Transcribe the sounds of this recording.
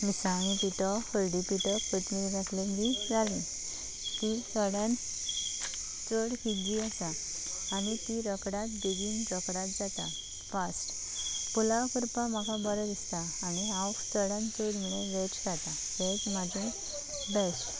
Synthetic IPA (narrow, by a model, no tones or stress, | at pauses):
misãːñit̪it̪ɔfəlɖipiʈəpət̪miɾakʰlemdid͡zali | t̪isəɽãn | t͡səɽhid͡ʑiasaː | nit̪iɾəkɽat̪̚d̪eɡiːnɾɔkɽat̪̚d͡zat̪a̰ | fasʈ | pulakəɾpãm̤akabɔɾəd̪ist̪aːñiaft͡səɽjãnt͡səɽm̤iɭeʋɛt͡ɕkat̪a | tɛd͡zmat̪ũ | bɛsʈ